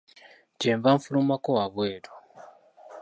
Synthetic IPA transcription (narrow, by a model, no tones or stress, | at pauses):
ɟeːɱvaɱfulumakowaβweːɾo̥